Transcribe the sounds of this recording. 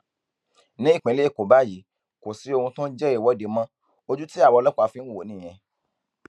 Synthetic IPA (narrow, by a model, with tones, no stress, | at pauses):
nĩ˦i˦˨k͡pẽ˨˦le˦˨ko˨ba˦ji˨˦ | ko˨si˨˦o˧hũ˧tõ˦d͡ʒɛ˦i˦˨wɔ˦de˨˧mã˦ | o˧d͡ʒu˦ti˦a˦˨wɔ˧lɔ˦k͡pa˨˧fĩ˨˧n̩˦wo˨˦nĩ˦˨j̃ɛ̃˧